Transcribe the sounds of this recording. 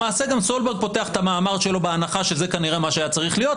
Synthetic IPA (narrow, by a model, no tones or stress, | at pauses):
aːse̞ɡamsolbeɡ̚po̞te̞aχe̥t̪amaːmaʁʃe̞lo̞beanaχaʃezekaniʁemaʃeajat͡saʁiχlijo̞t